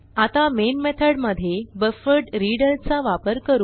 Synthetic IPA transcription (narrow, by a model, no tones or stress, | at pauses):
at̪amenmɛt̪ʰəɽməd̪ʱːjebəfəɾɖɾiɽəlt͡saʋapəɾkəɾu